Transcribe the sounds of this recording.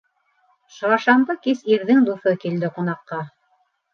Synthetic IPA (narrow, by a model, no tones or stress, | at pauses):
ʃɤɑʃɑmd̪ɤkisiɾðɘŋd̪uθɤkild̪ɘqunɑqːɑ